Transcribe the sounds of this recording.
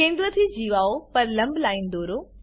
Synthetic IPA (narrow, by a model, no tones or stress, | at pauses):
kẽːn̆d̪ɾət̪ʰiːd͡ʑiːʋaːopɐɾlɐ̃mbʱlaːiːnɪd̪oːɾoː